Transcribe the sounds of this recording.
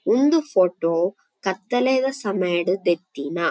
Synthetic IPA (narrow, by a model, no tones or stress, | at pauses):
ond̪upʰoːʈoː | kɐt̪ːɐlejɐd̪ɐsɐmɐjɐɽud̪et̪ːinɐ